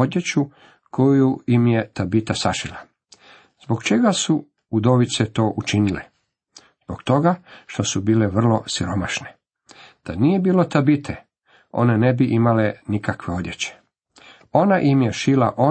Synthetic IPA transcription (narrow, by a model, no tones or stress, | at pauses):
od̪jet͡ɕu | kojuimje̞t̪abit̪asaʃila | z̥bo̞ɡt͡ʃe̞ɡasu | ud̪oʋit̪set̪o̞ːʔut͡ʃinilḛ | z̥bokt̪o̞ɡaʃt̪o̞subiːle̞ʋr̩lo̞siɾo̞maʃne | d̪̥anije̞biːlo̞t̪abit̪ʰe | o̞̰ne̞ne̞biʔimalenikakʋe̞o̞d̪jet͡ɕe̥ | o̞naʔimjeʃila̰ʔo̞